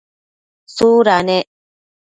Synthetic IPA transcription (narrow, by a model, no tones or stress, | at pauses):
suɾaneʔ